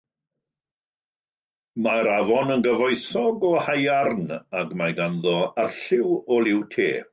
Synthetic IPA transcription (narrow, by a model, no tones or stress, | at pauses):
maɾavɔnənɡəvɔjθɔɡɔhajarnaɡmajɡanðɔarɬɪwɔlˠɪwtʰḛː